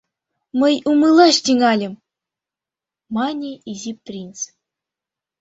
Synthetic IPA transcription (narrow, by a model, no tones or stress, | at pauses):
mɤ̆jumɯlˠɑʃtʲiŋɑlʲɘ̆m | mɑnʲiizʲip̚t̪rʲins